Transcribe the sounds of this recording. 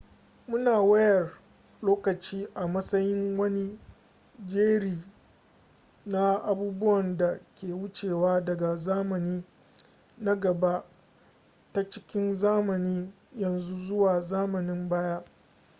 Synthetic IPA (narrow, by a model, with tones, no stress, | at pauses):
mʊ˦naː˨wɐ˦jɐ˨r | loː˦kɐ˨t͡ʃiː˦ʔa˨mɐ˦sɐ˦jɪ˦ŋwɐ˦ni˦ | d͡ʒeː˦ɽiː˨ | na˦ʔa˨buː˦bʊ˦wɐ˨nda˨kʲeː˨wʊ˦t͡ʃeː˨waː˦dɐ˨ɡa˨zaː˦mɐ˨niː˦ | na˦ɡɐ˨ba˦ | ta˦t͡ʃɪ˦kʲɪ˦nzaː˦mɐ˨niː˦ | jɐ˨nzu˦zʊ˦waː˨zaː˦mɐ˨nɪ˦mbaː˦jaː˦ʔ